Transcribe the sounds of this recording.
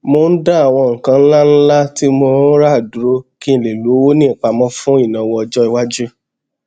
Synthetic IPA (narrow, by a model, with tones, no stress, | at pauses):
mo˧n̩˦da˦a˨w̃ɔ̃˧ŋ̩˨kã˧n̩˦la˦n̩˦la˦ti˦mo˧˦ɾa˦˨du˨ɾo˦kĩ˦˨le˨lu˨˦wo˦nĩ˦˨k͡pa˧mɔ̃˦fũ˦i˦˨nã˨wɔ̃˧ɔ˧d͡ʒɔ˦i˧wa˦d͡ʒu˦